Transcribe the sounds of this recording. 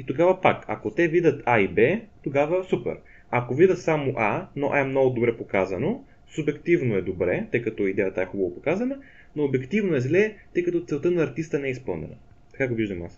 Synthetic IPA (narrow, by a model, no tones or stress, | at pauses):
it̪oɡavɐpa̰kɐ̰kot̪ɛvid̪ət̪aibɛt̪oɡavəsupɛ̰ɾ | ɐkovid̪ʲət̪samoʔanoʔamnɔɡʊd̪obɾɛpokazəno | subɛkt̪ivnoɛd̪obɾɛt̪ɤjkɐt̪ɔid̪ɛjət̪əɛxubɐvopokazənə | noːbɛkt̪ivnoɛzlɛt̪ɤjkɐt̪ɔt̪sɛlˠt̪ənɐːɾt̪ist̪ənɛɛispɤlˠnɛ̰nə̰ | t̪ɐ̥kaɡoviʒd̪əmas